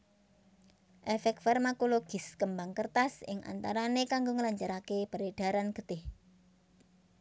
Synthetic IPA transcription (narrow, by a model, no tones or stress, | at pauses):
ʔɛfɛk̚t̪fɛrmakoloɡ̥ɪ̤skəmbaŋkərt̪asɪ̰ŋʔa̰nt̪aɾanekaŋɡoŋəlaɲd͡ʒaɾakeb̥əɾed̥a̤ɾanɡ̥ə̤t̪ɪh